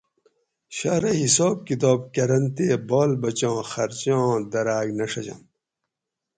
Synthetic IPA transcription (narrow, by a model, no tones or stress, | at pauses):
ɕaːɾɐɦisoːb̚kit̪oːbkɐɾɐnt̪eːboːlbɐt͡ɕõːxɐɾt͡ɕõːd̪ɐɾaːɡnɐʂɐd͡ʑɐ̰n